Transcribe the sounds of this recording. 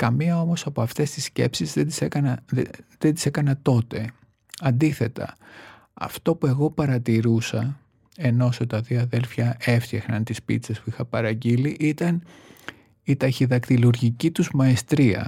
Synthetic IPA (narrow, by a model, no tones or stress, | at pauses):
kɐmiɐo̞mo̞sɐpoɐft̪e̞st̪isce̞psizðed̪isekɐnɐðend̪i̥se̞kɐnɐt̪o̞t̪e̞ | ɐnd̪iθe̞t̪ɐ̰ | ɐ̰ft̪o̞pue̞ɣo̞pɐɾɐt̪iɾusɐ | e̞no̞sot̪ɐðioɐðe̞lfçɐe̞ft̪çɐxnɐnt̪ispḭt͡sespuixɐpɐɾɐɟiliʔit̪ɐn | it̪ɐçiðɐkt̪iluɾʝicit̪uzmɐest̪ɾiɐ̰